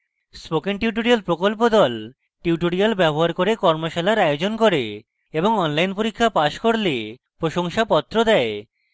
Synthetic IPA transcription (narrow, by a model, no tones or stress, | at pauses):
spokenʈiuʈoɾialpɾokolp̬od̪ɔl | ʈiuʈoɾialbɛboɦaɾkoɾekɔɾmoʃalaɾaeod͡ʑonkoɾe | eboŋɔnlajnpoɾikʰːapaʃkoɾlepɾoʃoŋʃapɔt̪ːɾod̪ɛe